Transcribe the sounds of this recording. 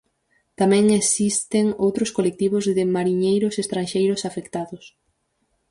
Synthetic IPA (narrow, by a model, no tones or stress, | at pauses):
t̪amɛ̃ŋesist̪ɪŋowt̪ɾʊskolek̚t̪iβ̞ʊzðɪmaɾiɲejɾʊsest̪ɾanʃejɾʊsafekt̪aðʊs